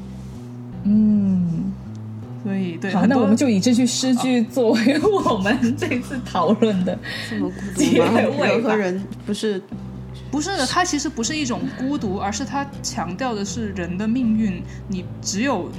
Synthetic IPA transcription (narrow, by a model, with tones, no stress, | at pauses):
n̩˥˩ | swɔ˧˥i˨˩t̪we˥˩˥na˥˨˩wɔ˨mə˦nt͡ɕjo˥˩ʊi˨˩ʈ͡ʂ̩˥˧t͡ɕʰy˥˧ʂɻ̩˥t͡ɕʰy˥˧t͡swɔ˥˩we˧˥ɪwɔ˨˩mə˦nʈ͡ʂe˥˧ɪ˧t͡sʰɹ̩˥˩t̪ʰɑ˨˩˦ʊlwə˥˩nd̪ə˩˥˩ku˥i˥˧˥we˥˧xə˧˥ɻə˧˥npu˧˥ʂɻ̩˥˩ | pu˧˥ʂɻ̩˥˩d̪ə˩t̪ʰa˥t͡ɕʰi˧˥ʂɻ̩˧˥pu˧˥ʂɻ̩˥˧i˥˩ʈ͡ʂʊ˨˩ŋku˥t̪u˧˥ə˞˧˥ʂɻ̩˥˩t̪ʰa˥t͡ɕʰjɑ˧˥ŋt̪jɑ˥˩ʊd̪ə˩ʂɻ̩˥˩ɻə˧˥nd̪ə˧mi˥˧ŋy˥˩n | ni˨˩ | ʈ͡ʂɻ̩˧˥jo˨˩ʊ